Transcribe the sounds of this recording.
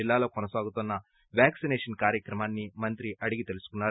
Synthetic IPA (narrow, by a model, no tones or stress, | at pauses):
ilːaːlɐkonɐsaːɡut̪ɐnːɐ | ʋjaːksineːʂɐnkaːɾjɐkɾɐmaːnːimɐnt̪ɾiɐɽiɡit̪elisu̥kunːaːɾ